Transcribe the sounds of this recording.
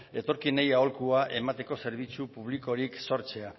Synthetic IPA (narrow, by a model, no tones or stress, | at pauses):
e̞t̪o̞ɾkine̞jao̞lkuaʔe̞mat̪e̞ko̞se̞ɾβ̞it͡supuβ̞liko̞ɾikso̞ɾt͡se̞a